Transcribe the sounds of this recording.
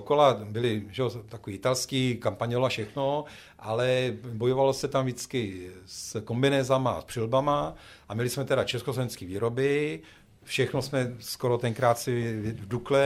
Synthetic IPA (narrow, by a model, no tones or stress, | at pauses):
okolabɪlɪʒɛot̪akoviːɪt̪alskiːkampaɲolafʃɛxno | ʔalɛbo̞jovalosɛt̪amʒɪt͡skɪsko̞mbɪnɛːzama̰spr̥ɪlbama | ʔamɪlɪsmɛt̪ɛɾat͡ʃɛskoslovɛnt͡skiːviːɾobɪ | fʃɛxnosmɛskoɾo̞t̪ɛŋkɾaːt̪sɪvduklɛ